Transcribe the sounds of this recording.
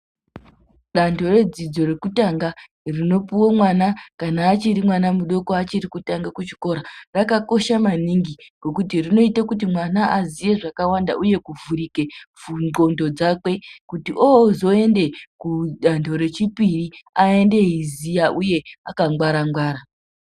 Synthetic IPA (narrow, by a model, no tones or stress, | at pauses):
ɗantʰo̞re̞d͡zid͡zo̞re̞kutaŋɡa | rino̞puwomwanakanaːt͡ʃiɾimwanamuɗo̞koat͡ʃirikutaŋɡakut͡ʃi̥ko̞ɾarakako̞ʃamaniŋɡiɡ̥o̞kutirino̞itakut̬imwanaʔazije̞ʐakawandaʔuje̞kuvuɾike̞vuno̞ndo̞d͡zakwe̞kutiʔowozo̞e̞nde̞kuɗantʰo̞ɾe̞t͡ʃipiriae̞nde̞ɦizijaʔuje̞akaŋɡwaɾaŋɡwaːɾa